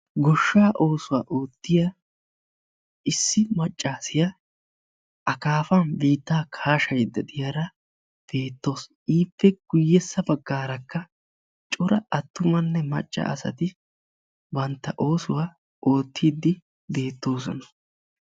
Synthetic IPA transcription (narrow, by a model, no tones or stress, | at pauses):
ɡɔʃːaːʔo̞ːsʊwaːʔoːt̪ːɪja | ɪsːɪmɐt͡ʃʼːaːsɪja | ʔɐkaːfɐnbiːt̪ːaːkʰaːʃɐjd̪ːɐd̪ɪjɐɾɐ | b̥e̞ːt̪ːo̞ːsʔiːpːɛɡ̥ʊjːɛsːɐbɐɡːaːɾɐkːɐ | t͡ʃʼʊɾɐɐt̪ːʊmɐnːɛmɐ̰t͡ʃʼːɐ̰ɐ̰sɐ̰t̪ɪ | bɐnt̪ːɐʔo̞ːsʊwaː | ʔo̞ːt̪ʰːiːd̪ːɪ | be̞ːt̪ːo̞ːsɔnɐ